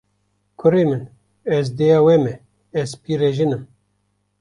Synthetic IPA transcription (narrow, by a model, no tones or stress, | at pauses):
kʰʊɾemɨn | ɛzd̪ejɑːwɛmɛ | ɛzpiɾeʒinɨm